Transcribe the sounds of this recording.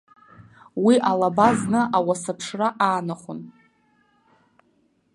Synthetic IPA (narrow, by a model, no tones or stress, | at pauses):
wiʔalabaznɨʔawasapʰʂraʔaːnaχʷʊn